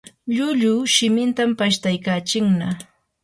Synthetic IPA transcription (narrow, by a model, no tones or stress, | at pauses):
ʎʊʎʊʃɪmɪnt̪ampaʃt̪ajkaːt͡ʃɪŋna